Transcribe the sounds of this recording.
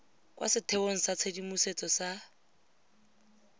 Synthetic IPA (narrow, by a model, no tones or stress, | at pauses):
kwa̰sɪtʰɛboŋ̩sat͡sʰedimuset͡sʼɔsa